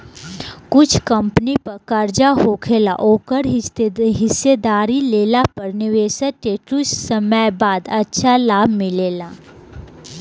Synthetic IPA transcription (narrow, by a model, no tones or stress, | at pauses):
kʊt͡ʃʰkɐ̃mpnipɐɾkəɾd͡ʒaɦoːkʰeːla̰ʔoːkəɾɦɪsed̪aːɾileːlapɐɾnɪʋeːʃəʈeːʈɾussəməjbaːd̪ɐtːʃʰalaːbʱmɪleːlaː